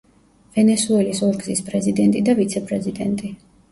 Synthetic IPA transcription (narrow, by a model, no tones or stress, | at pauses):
v̥ɛnɛsuɛlisɔɾɡzispʼɾɛzid̪ɛnt̪ʼid̪avit̪sʰɛpʼɾɛzid̪ɛ̰nt̪ʼi